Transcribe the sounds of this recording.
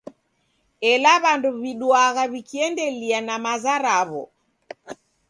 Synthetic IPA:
ɛlaβanduβiɗwaɣaβikiɛndɛlianamazaɾaβɔ̰

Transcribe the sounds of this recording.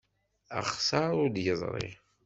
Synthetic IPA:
ə̰χsɑɾˤʊɾd̪jəzˤɾˤḭ

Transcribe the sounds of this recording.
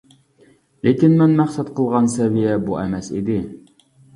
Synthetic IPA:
lekʲinmɛnmæχsɛt̪qʰəlˠʁɑnsɛvijɛbuʔɛmɛsḭd̪ɪ

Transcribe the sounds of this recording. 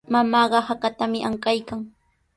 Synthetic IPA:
mamaːɢɑhakat̪amɪʔaŋkajkaŋ

